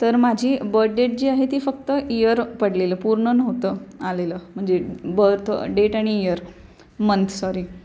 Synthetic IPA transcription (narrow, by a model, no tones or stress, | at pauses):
t̪əɾmad͡ʑʱiːbəɾɖeʈ̚d͡ʑeaɦet̪iːfəkt̪əijəɾpəɽleləːpuɾɳənəɦot̪əaleləm̤əɳd͡zebət̪ʰə̰ɖeʈaɽ̃iːjəɾ | mənt̪ʰsɔɾiː